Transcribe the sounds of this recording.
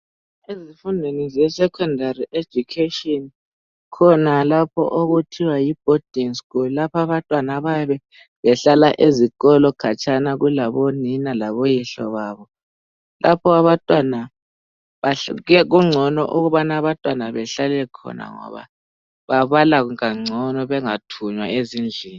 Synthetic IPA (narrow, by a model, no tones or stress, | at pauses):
ezifundʱwenizɛsɛkʰɔndʱariʔe̥d͡ʒ̥ʱukʰetiɔn | kʰɔnalapʰɔ̰ʔoɣutʰiwajib̥̚ʱod̥ʱinskʰullapʰaβantʼwanaβaβɛ | βɛɬalaʔezikɔlɔkʰat͡ʃʰʼanaɣulaβɔninalaβojiɬɔ̰βaːβɔ | lʔapʰɔaβatʼwana | βaɛɣuŋ͡ǀʱɔnɔ̰ʔuɣuβanaβantʼwanaβɛɬalɛkʰɔ̰na̰ŋɔ̰βa̰ | βaβalaɣuaŋ͡ǀʱɔnɔβɛŋatʰuɲwaezind͡ɮʱiːni